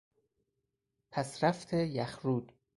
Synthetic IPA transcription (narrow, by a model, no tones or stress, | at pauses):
pʰæsɾæft̪ʰejæxɾuːd̪̥